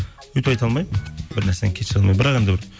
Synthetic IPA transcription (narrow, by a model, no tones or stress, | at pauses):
wɵt̪pɑjt̪ɑlˠmɑjməbɪɾnæɾseeŋkʲʰeʃɪɑlmɑjbɪɾɑqe̞nd̪ɪbɪɾ